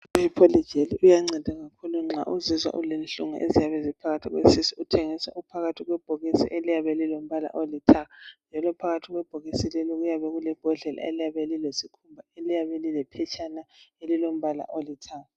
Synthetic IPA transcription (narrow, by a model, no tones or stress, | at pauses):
uhipʰolid̥d͡ʒʱeliʔujaŋ͡ǀɛd̥ʱaɣakʰuluŋ͡ǁa̰ʔuzizwa̰ʔṵlenɬʼuŋa̰ʔḛzijaβɛzipʰaɣatʰiɣwḛsisiutʰeŋisa̰ʔupʰaɣatʰiɣwɛb̥ʱɔɣisḭʔelijaβɛlilom̩βala̰ʔolitʰaand͡ʒʱalɔpʰaɣatʰiɣwɛb̥ʱɔɣisilɛlɔɣujaβɛɣulɛb̥ʱɔɮɛla̰elijaβelilesikʰumbʱaelijaβelilɛpʰɛt͡ʃʰʼanaelilom̩βala̰ʔolitʰa